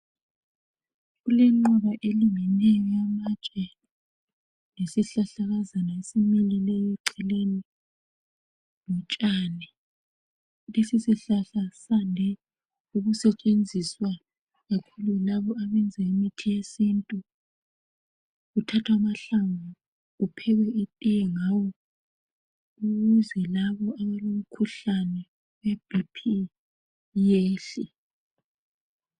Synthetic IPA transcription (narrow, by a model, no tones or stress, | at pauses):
ɣulɛŋ͡ǃɔβaʔeliŋinɛjɔjamat͡ʃʼɛ | nesiɬaɬaɣazanaesimililɛjɔǀɛleni | nɔt͡ʃʼaːnɛ | lesisiɬaɬasandʱɛ | uɣusɛt͡ʃʼend͡zʱiswa | ɣakʰululaβɔaβɛnd͡zʱɛimitʰijesintʼu | ɣutʰatʰwamaɬaŋu | ɣupʰɛɣɛʔitʼijɛŋawɔ | uɣuzɛlaβɔaβalom̩kʰuɬanɛ | web̥ʱipʰi | jeːɬi